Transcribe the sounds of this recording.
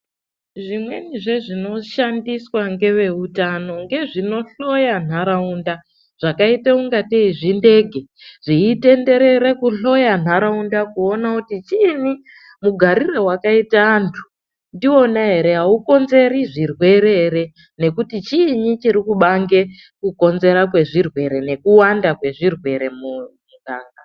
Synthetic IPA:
ʐimwe̞̰niʐe̞ʐino̞ʃandiswaŋɡe̞ʋe̞utano̞ŋɡe̞ʐino̞ɬo̞jan̤aɾaunda | ʐ̥akaiteuŋɡateiʐinde̞ɡʱeʐ̥iːte̞nde̞ɾe̞ɾe̞kuɬo̞jan̤aɾaundakuonakutit͡ʃiːni | muɡʱaɾire̞wakaitaːntʰu̥ | ndiwo̞naɦe̞ɾe̞ɦauko̞nze̞ɾiʐirwe̞ɾeɾe̞ | ne̞kutit͡ʃiːɲit͡ʃiɾikuɓaŋɡe̞ | kuko̞nze̞ɾakwe̞ʐirwe̞ɾe̞ne̞kuwandakwe̞ʐirwe̞ɾe̞mumuɡaːŋɡa

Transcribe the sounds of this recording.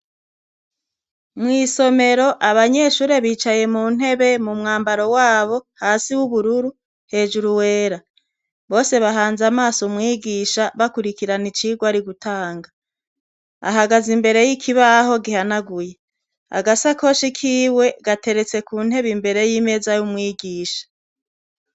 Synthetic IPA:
mŋiːso̞me̞ɾo̞ʔaβaɲe̞ːʃuːɾe̞βiːt͡ʃaje̞muːn̥e̞βe̞mumŋaːmbaɾo̞waːβo̞haːsiwuβuɾuɾu | he̞ːd͡ʒuɾuwe̞ːɾa | βo̞ːse̞βaɦaːnzamaːsumŋiːɡiʃaβakuɾikiɾanit͡ʃiːɡwaɾiɡutʰaːŋɡa | a̰ɦaɡazimbe̞ɾe̞jikʰiβaho̞ɡihanaɡuje | a̰ɡasako̞ʃikʰiːwe̞ɡate̞ɾet͡se̞kuːn̥he̞βimbe̞ɾe̞jiːme̞zajumŋiːɡiːʃḁ

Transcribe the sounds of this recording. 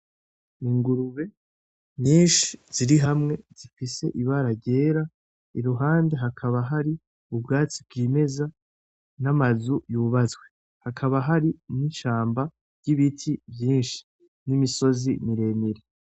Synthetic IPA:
iŋɡuɾuβe̞ | ɲiːnʃi̥z̥iɾiɦamŋe̞z̥ifise̞̰ʔiβaɾaɟe̞ːɾa | iɾuɦaːnde̞ɦakʰaβaɦaɾi | ubɡaːt͡sib̚ɡiːme̞za | namazujuβazɡwe̞ | hakʰaβaɦaɾiniʃaːmba | ɾɟiβitʰivjiːnʃi̥ | nimiso̞zimiɾe̞miɾe

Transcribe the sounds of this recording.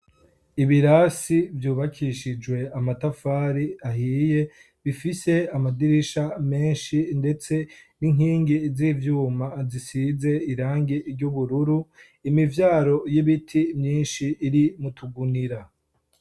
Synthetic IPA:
iβiɾasivjuːβakʰiʃid͡ʒwe̞amatafaːɾiahiːje̞ | βifise̞amadiɾiʃame̞ːnʃinde̞t͡se̞niŋ̥hiːŋɡizivjuːmazisize̞iɾaːŋɡiɾɟuβuɾuɾu | imivjaːɾo̞jiβitʰimɲiːnʃiːɾimutuɡuniɾa

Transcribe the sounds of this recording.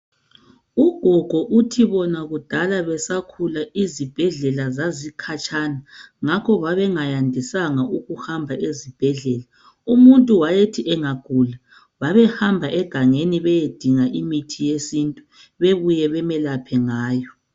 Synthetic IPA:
uɡ̥ʱɔɡ̥ʱɔʔutʰiβɔnaɣud̥ʱalaβɛsakʰulaizib̥ʱɛɮɛlazazikʰat͡ʃʼanaŋakʰɔβaβɛŋajandʱisaŋaʔuɣuhambʱaʔezib̥ʱɛɮɛːla | umuntʼuwajetʰiʔɛŋaɡ̥ʱuːla | βaβɛhambʱaʔɛɡ̥ʱaŋeniβɛjed̥ʱiŋaʔimitʰijesintʼu | βeβujɛβɛmɛlapʰɛŋaːjɔ

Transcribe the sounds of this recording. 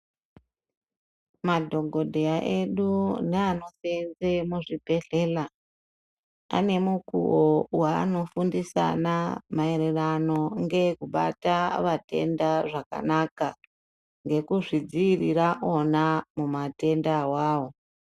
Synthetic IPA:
madʱo̞ɡʱo̞dʱeaʔe̞ɗuneano̞senzemuʐibʱe̞ɮe̞ːla | a̰ne̞mukṵowa̰ːno̞fundisa̰namaererano̞ŋɡe̞kuɓa̰taʋate̞̰ndaʐaka̰naka | ŋɡe̞kuʐid͡ziːriraʔo̞namumate̞ndawaːwo̞

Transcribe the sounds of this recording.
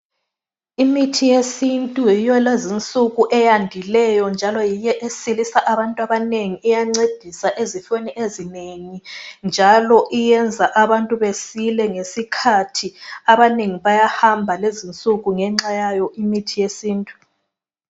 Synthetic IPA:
imitʰijesintʼujijɔlezint͡sʼuɣuʔɛjandʱilɛjɔnd͡ʒʱalɔjijɛʔesilisaʔaβantʼuaβaneŋiijaŋ͡ǀed̥ʱisaʔezifeniʔezineŋind͡ʒʱalɔʔijɛnd͡zʱaʔaβantʼuβesilɛŋesikʰatʰiaβaneŋiβajahambʱalezint͡sʼuɣuŋɛŋ͡ǁajajɔʔimitʰijesiːntʼu̥

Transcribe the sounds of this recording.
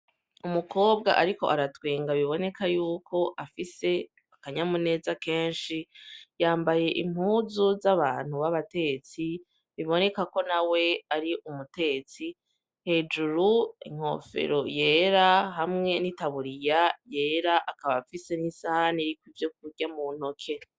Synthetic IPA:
umuko̞ːbɡa̰ʔaɾiko̞̰ʔaɾatweːŋɡaβiβo̞ne̞kajuːkʰo̞ʔafise̞ | akaɲamune̞ːzake̞ːnʃijaːmbaje̞ʔim̥huːzuzaβaːn̥huβaβate̞ɡet͡si | βiβo̞ne̞kako̞nawe̞aɾiʔumute̞ɡet͡si | he̞ːd͡ʒuɾuḭŋ̥ho̞̰fe̞̰ɾo̞je̞ːɾaɦamŋe̞nitaβuɾijaje̞ːɾaʔakaβafise̞nisahaniɾikwivjo̞k̚uɾɟamun̥o̞kʰe̞

